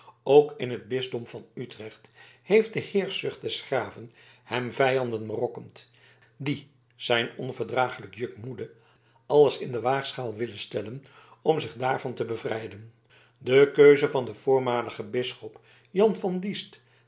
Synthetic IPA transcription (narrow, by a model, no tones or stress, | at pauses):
owkɪnɦəd̚bɪzdɔmvɑnytrɛχthejft̚dəhɪːɹsʏχt̚d̥ɛsχraːvən | hɛmvɛjɑndənrɔkəmt | di | z̥ɛjnɔnvəɹdraːχələkjøkmudə | ɑləsɪndəʋaːχsχaːlˠʋɪlənstɛlən | ɔmzɪχdaːɹvɑntəbəvrɛjdən | dəkøɥzəvɑndəv̥ʊːɹmaːləχəbɪsχɔp | jɑnvɑndist